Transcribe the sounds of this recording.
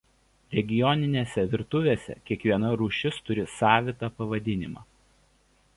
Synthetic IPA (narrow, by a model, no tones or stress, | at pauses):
ɾʲɛɡʲɪjɔnʲɪnʲeːsʲɛʋʲɪɾt̪ʊʋʲeːsʲɛ̰kʲiɛkʋʲiɛnɐɾuːʃʲɪst̪ʊɾʲɪsɑːʋʲɪt̪ɑːpɐʋɐd̪ʲɪnʲɪmɑ̰ː